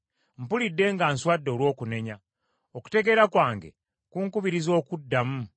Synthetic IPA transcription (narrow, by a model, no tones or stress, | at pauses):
m̩pulidːe̞ːŋɡaːnswadːo̞ːlwo̞ːkune̞ɲa | oku̥te̞ɡe̞ɾakwaːŋɡe̞̰ | kuːŋkuβiɾizo̞ːkudːamu